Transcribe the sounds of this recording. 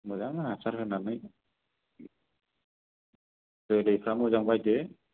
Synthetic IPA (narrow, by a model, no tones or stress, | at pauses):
mɯzaŋasaɾɦɯnanɯj | tɯlejpʰɾamɯzaŋbajde